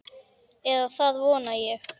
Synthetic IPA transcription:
ɛðaθaðvɔːnajɛx

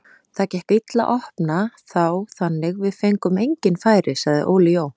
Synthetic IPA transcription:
θaðcɛht̪it̪la̰ʔɔhpnaθawθanːɪɣvɪðfejŋkʏmejɲcɪnfaːjɾɪsaɣðɪ̰ʔowliow

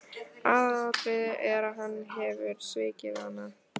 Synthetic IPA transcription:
aðat̪ɪɛɾaðɦanːɦɛvʏɾ̥svɪːcɪðanːa

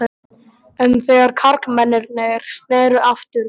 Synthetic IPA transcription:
ɛnθœɣaɾ̥kʰaɾkmɛnːɛɾnɛɛɾ̥st̪nɛːɾʏʔaft̪ʏɾ

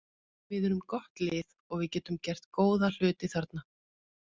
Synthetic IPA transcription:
vɪðɛɾʏmkɔht̪lɪːð | ɔɣvɪðcɛːt̪ʏmcɛr̥t̪koːwðal̥ʏːt̪ɪθaɾt̪na

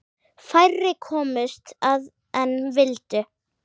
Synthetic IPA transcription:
fajrːɪkʰɔːmɪst̪að | ɛnvɪlt̪ɪ

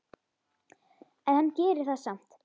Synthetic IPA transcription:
ɛnhancɛːɾɪɾ̥θaðsam̥t̪

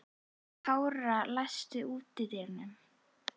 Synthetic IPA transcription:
kʰaːwɾalajst̪ʏuːt̪ɪðɛɾnʏm

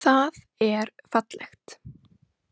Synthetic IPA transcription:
θað | ɛɾfat̪lɛxt̪

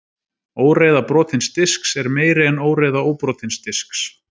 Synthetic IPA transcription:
oːwɾeːjðapɾɔːt̪ʰɪnst̪ɪsksɛɾmeːjɾɪɛnoːwɾejðaoːwpɾɔːt̪ʰɪnst̪ɪsks

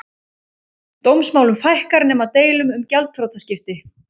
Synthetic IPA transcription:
t̪owmsmawlʏmfajhkaɾnɛːmat̪eːjlʏmʏmcɛlt̪̚θɾowt̪ascɪft̪ɪ

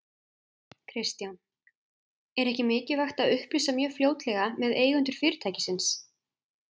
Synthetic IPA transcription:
kʰɾɪst̪jan | ɛɾɛhcɪmɪːcɪvaxt̪aðʏhplisamjœːfljoːwt̪lɛɣamɛðeːjɣʏnt̪ʏɾ̥fɪːɾɪt̪ʰaːjcɪ̥sɪns

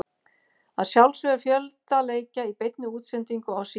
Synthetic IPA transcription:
a̰ðsjawlsœʏɾ̥fjœlt̪aleːjcaipejt̪̚nʏuːt̪sɛnt̪iŋkʏaws

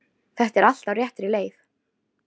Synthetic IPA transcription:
θɛht̪ɛɾal̥t̪awɾjɛht̪ɾɪleːjθ

